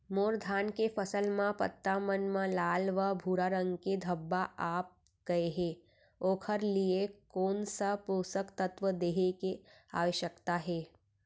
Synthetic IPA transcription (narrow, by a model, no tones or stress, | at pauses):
moːɾd̪ʱaːnkefəsəlmãpə̰t̪ːamənmãlaːlʋabʱuːɾaːɾə̃ŋɡked̪ʱəbːaʔaːp̚ | ɡ̥ɐeɦe | oːkʰəɾliekoːnsapoːsəkt̪ət̪ʋəd̪eːɦeke | a̰ːʋəʃjəkt̪aɦɛː